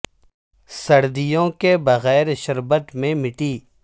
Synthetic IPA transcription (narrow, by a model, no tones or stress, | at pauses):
sɐɽd̪ijõkebɐɣɛːɾʃɐɾbət̪mẽmɪʈiː